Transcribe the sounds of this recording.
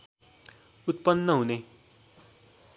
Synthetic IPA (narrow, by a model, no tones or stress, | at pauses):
ut̪̚pʌnːʌɦune